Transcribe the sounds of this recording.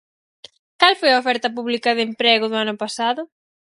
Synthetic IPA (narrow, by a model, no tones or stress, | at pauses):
kalfojɐofɛɾt̪ɐp̬uβlikɐðempɾɛɣʊðʊanʊpasaðʊ